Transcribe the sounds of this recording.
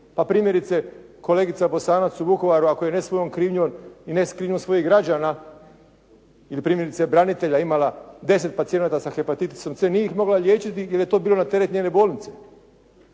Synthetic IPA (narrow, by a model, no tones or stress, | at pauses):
papɾiːmje̞ɾit̪se̞ | ko̞leɡit̪sabo̞saːnat̪subuko̞ʋaɾuako̞jenesʋoonkɾiːʋɲuʋonineskɾiːʋɲʲuʋonsʋo̞jiɦɡɾad͡ʑaːna | ilipɾiːmjeɾit̪sebɾanit̪e̞ʎaimalad̪e̞s̬e̞t̪̚pat̪sie̞naːt̪asaxe̞pat̪it̪i̥so̞msʋenijeixmo̞ɡlaʎje̞ːt͡ʃit̪ijilje̞t̪o̞ːbiːlo̞nat̪e̞ɾet̪nɲeːnebo̞ːlnit̪se̞